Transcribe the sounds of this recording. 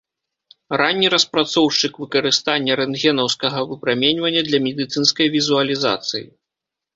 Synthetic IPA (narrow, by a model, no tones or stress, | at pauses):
ɾanʲːiɾɐspɾat̪sɔwʂt͡ʂɨkvɨkɐɾɨst̪anʲːɐɾɛnɣʲɛnɐwskɐɣɐvɨpɾamʲɛnʲvɐnʲːɐd̪lʲɐmʲɛd̪ɨt̪sɨnskɐjvʲizuɐlʲiza̰t̪sɨjḭ